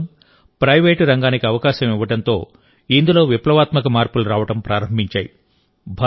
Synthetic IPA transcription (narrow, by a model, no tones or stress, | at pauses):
m | pɾɐjʋeːʈɾɐŋɡaːnikiɐʋɐkaːʃɐmiʋːɐʈɐnt̪o̞ː | ind̪ulo̞ːʋiplɐʋaːt̪mɐkɐmaːɾpuluɾaːʋɐʈɐmpɾaːɾɐmbʱiɲt͡ʃaːjḭ | bʱa